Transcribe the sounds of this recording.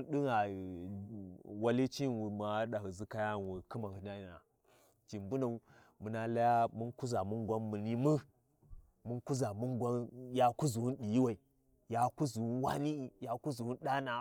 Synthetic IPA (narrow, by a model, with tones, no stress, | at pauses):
nɗu˦ŋa˨ | wa˦li˦t͡ʃi˦˨wu˨m˨a˨˦ɗa˨ɦə˨zi˦ka˦ja˦˨n˨wu˨kɨ˦ma˨hu˨na˦˨a˨a̰˨ | t͡ʃi˨mbu˦na˨u˦ | mu˨na˨la˦ja˦mu˦nku˦za˨mu˦nɡʷa˦mːu˨ni˦mə˦ | mu˦nku˦za˨mu˦nɡʷa˦ja˨ku˦zu˨wu˦nɗi˨ji˦wa˨i˨ | ja˨ku˦zu˨u˦wa̰˦ni˦i˨ja˨ku˦zu˨wu˦n˦ɗa˦na˨